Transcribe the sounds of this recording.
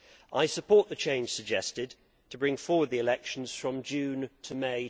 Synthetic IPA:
ʔaɪsəpʰɔˑʔðət͡ʃʰẽɪ̃nʒ̥səɡ̚d͡ʒɛstɪd̚ | tʰəbɹɪ̃ŋfɔɹwəd̪̚ðiɪlɛkʃə̃n̩z̥fɹə̃md͡ʒʉ̃ːntʰəmeɪ

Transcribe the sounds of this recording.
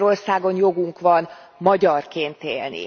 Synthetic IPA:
ɾo̞rsaːɡo̞njo̞ɡuŋkʋɒn | mɒɟɒrkeːnt̪ḛːlnḭ

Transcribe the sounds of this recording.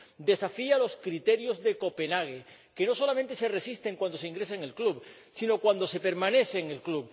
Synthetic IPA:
d̪e̞safialo̞skɾit̪e̞ɾjo̞zðe̞ko̞pe̞naɣ̞e | ke̞no̞so̞lament̪e̞se̞re̞sist̪eŋkwand̪o̞seiŋɡɾe̞seŋe̞lkluβ | sino̞kwand̪o̞se̞pe̞ɾmãne̞θeːŋelklub

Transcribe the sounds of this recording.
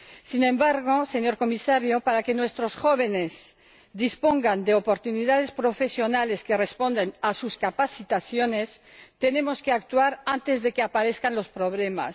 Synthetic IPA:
sinẽ̞mbaɾɣ̞o̞se̞ɲo̞ɾko̞misaɾjopaɾakenwe̞st̪ɾosxo̞β̞e̞ne̞z | d̪ispo̞ŋɡand̪eopo̞ɾt̪uniðað̞espɾo̞fe̞sjo̞nale̞ske̞re̞spo̞nd̪enasuskapaθit̪aθjone̞st̪e̞ne̞mo̞skeak̚t̪uaɾant̪e̞zðe̞keapaɾe̞θkanlo̞spɾo̞β̞le̞ma̰s

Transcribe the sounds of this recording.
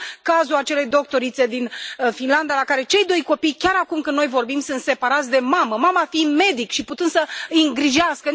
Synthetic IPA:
kazuat͡ʃe̞le̞jd̪o̞k̚t̪o̞ɾit̪se̞d̪infinland̪alakaɾe̞t͡ʃe̞jd̪o̞jko̞pijkʲaɾakumkɨnːojvo̞rbimsɨnt̪se̞paɾat̪sʲd̪e̞maməmamafime̞d̪ikʃiput̪ɨnd̪səɨɨŋɡɾiʒeaskə

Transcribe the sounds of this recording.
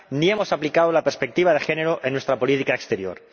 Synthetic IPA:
nie̞mo̞saplikaðolape̞ɾspe̞k̚t̪iβ̞að̞e̞xe̞ne̞ɾoʔenwest̪ɾapo̞lit̪ikaekst̪e̞ɾjo̞̰ɾ

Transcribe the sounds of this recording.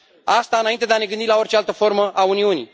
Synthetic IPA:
ast̪aɨnaint̪ed̪eane̞ɡɨnd̪ilao̞rt͡ʃealt̪əfo̞rməʔauniunḭj

